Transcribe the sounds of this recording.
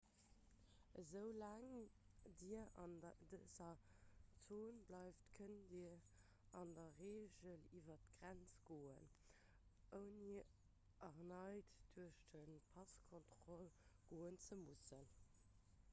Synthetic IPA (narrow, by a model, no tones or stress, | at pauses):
əzəʊlæːŋdiːɐndəzɐt͡soːnblɑɪftkʰəndiɐ | ɑndɐʁeːʒəlivɐtɡ̥ʁænt͡sɡ̥oːən | ʔəʊni | ʔɐʁnɑɪtd̥uɐəʃd̥ənpʰɑskʰɔntʁɔlɡ̥oːənt͡səmusən